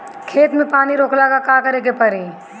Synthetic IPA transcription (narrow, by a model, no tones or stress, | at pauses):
kʰeːt̪mẽpaːniɾoːklaːɡakaːkɐɾekepɐɾiː